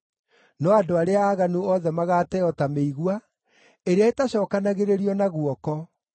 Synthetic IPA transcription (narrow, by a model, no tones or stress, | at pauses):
nɔadoaɾeaːɣanuɔðɛmaɣaːtɛɔtameiɣwa | eɾeaetaɕɔːkanaɣeɾeɾiɔnaɣwɔkɔ